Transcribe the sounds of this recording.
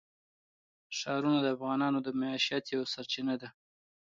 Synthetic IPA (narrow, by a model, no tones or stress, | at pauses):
ʃɑɾunad̪əafɣɑnɑnod̪əmaɑʃjat̪jawsaɾt͡ʃinad̪a